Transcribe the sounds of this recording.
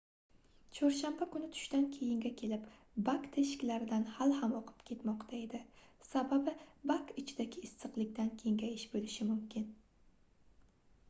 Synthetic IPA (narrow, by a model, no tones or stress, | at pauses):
t͡ʃʰɒɾʃambakʊnɪt̪ʰʊ̥ʃt̪ankʲʰe̞jɪŋɡʲakʲʰe̞lɪp | bakt̪ʰeʃɪ̥kʲlaɾɪd̪anhalhamoqʰɨ̥pkʲʰe̞t̪mɒqt̪ʰae̞d̪ɪsababɪbakɪt͡ʃʰɪd̪aɡʲɪːsːɨqlˠɪkʲt̪ankʲʰeŋɡʲajɪʃbolɪʃɪmʊmkʲɪn